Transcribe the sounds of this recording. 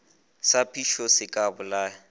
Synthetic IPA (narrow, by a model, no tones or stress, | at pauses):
sapʰiʃɔsɪkʼabʊlaː